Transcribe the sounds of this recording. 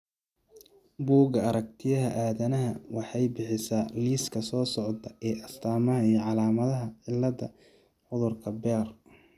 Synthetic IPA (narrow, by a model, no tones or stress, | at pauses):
buːɡɐɐɾɐk̚t̪ʰɪjɐɦɐʔaːðɐnɐɦɐwʔɑħɑjbɪħɪsaːliːskʰɐsɔːsɔʕd̪ɐʔɛːʔɐst̪ʰaːmɐɦɐijɞʕɑlaːmɐðɐɦɐʕɪlːɐdɐ | ʕʊðʊrkʰɐbɛːr